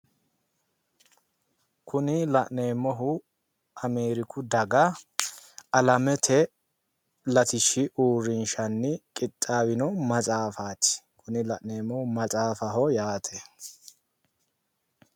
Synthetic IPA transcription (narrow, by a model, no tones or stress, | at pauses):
kʰʊnɪlɐʔne̞ːmːɔɦʊ | ɐme̞ːɾɪkʰʊd̪ɐɡɐ | ʔɐlɐmɛt̪ʰɛ | lɐt̪ɪʃɪʔuːɾɪnʃɐnːɪkʼɪt̪ʼːaːwɪnɔmɐt͡sʼaːfaːt̪ɪ̥kʊnɪlɐʔne̞ːmɔhʊmɐt͡sʼaːfɐɦɔjaːt̪ʰɛ